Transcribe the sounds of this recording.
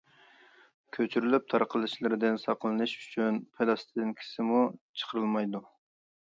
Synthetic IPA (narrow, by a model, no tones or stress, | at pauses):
kʲʰøt͡ʃʰyɾylyp̚t̪ʰɑɾqʰəlˠɨʃlˠɨɾɪd̪ɪnsɑqʰlˠɨnɨʃy̥t͡ʃʰynpʰed̪ɑst̪ʰɨd̪ɪnkʲʰi̥sɪmut͡ʃʰə̥qʰəɾɨlˠmɑjd̪u